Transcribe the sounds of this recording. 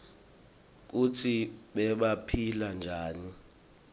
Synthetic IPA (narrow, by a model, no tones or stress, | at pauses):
k̬utʰiɓɛɓapʰiland͡ʒʱaːni